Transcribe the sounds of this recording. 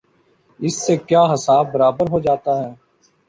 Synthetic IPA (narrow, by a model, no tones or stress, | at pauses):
ɪsːeːkjaːɦəsaːb̚bəɾaːbəɾɦoːd͡ʒaːt̪aːɦɛː